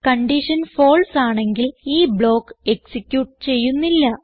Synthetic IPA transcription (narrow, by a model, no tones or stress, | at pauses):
kɐɳɖiʂɐnfo̞ːlsaːɳe̞ŋɡiliːbɭo̞ːkːɨe̞ksikʲːjuːʈ̚ːɨt͡ɕe̞jːunːilːɐ